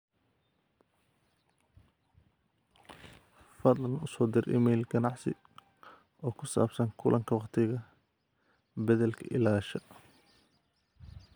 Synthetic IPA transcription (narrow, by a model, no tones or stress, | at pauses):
fɐd̪lɐnʊsɔːd̪ɪrʔɪ̰mɛːlɡɐnɑʕsɪ̰ | ɔːkʰʊsa̰ːbsɐŋkʰʊlʔɐŋkʰɐwɑqt̪ʰɪɣɐ | bɐðɛlkʰɐʔɪ̰laːʃɐ